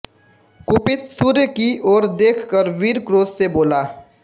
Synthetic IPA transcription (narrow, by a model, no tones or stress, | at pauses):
kʊpɪt̪suːɾjkiɔːɾd̪eːkʰkəɾʋiːɾkɾoːsseboːlaː